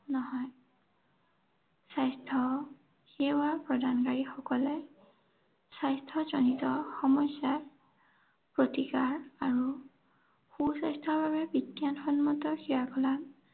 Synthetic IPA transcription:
nɔɦɔj | sajstʰɔ | xewapɹɔdʱankaɹixɔkɔlɛ | sajstʰɔzɔnitɔxɔmɔsa | pɹotikaɹaɹu | xusajstʰɔɹbabɛbitːjanxɔnmɔtɔxiɹakɔlam

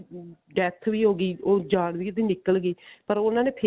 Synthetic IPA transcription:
ɖɛt̪ʰʋiːɦoːɡiːoːd͡ʒaːɳ̃ʋiːt̪ẽːnɪkəlɡiːpəɾʊnãːneːpʰː

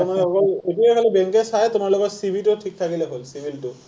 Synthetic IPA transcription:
ɔmanɦɔkɔetueɦɔlebeŋkesajt̪umaɹlɔɡɔtsibʱiʈuʈʰik̚t̪ʰakileɦolsibʱilʈu

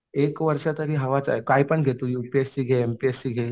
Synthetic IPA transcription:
ekʋəɾʂat̪əɾiːɦəʋat͡sa̰ekaipəɳɡʱet̪ojupiesiːɡʱeempiesiːɡʱe

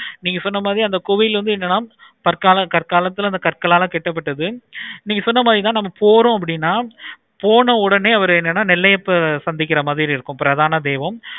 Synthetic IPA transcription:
niːŋɡɐsɔnːɐmaːðɾiɐnd̪ɐkʊʋɪjɪlʋɐnd̪ɯɛnːɐnaː | pɐɾkaːlɐkɐɾkaːlɐt̪ːɯɪlɐnd̪ɐkɐrkɐlaːlãːkɛʈːɐp̬ːɐʈːɐðɯniːŋɡɐsɔnːɐmaːðɾit̪ãːnɐmːɐpoːɾõːɐp̬ːɐɽɪnːaː | poːnɐ̃ɔɽɐneːɐʋɐɾɛnːɐnːaːnɪlːɐjɐpːɐsɐnd̪ɪkːɪɾɐmaːðɪɾiɪɾɯkːʊ̃pɪɾɐðaːnɐd̪eːʋɐm

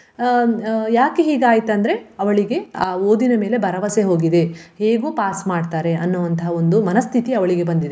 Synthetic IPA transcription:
jaːkeɦiːɡaːjit̪ɐnd̪ɐɾe̞ɐʋɐɭiɡe̞aːoːd̪inɐme̞ːle̞bʱɐɾɐʋɐseɦo̞ːɡid̪e̞heːɡuːpaːsmaːɖt̪aːɾe̞ɐnːuʋɐnt̪ɐɦɐo̞nd̪umɐnɐst̪ʰit̪iɐʋɐɭiɡe̞bɐnd̪id̪e

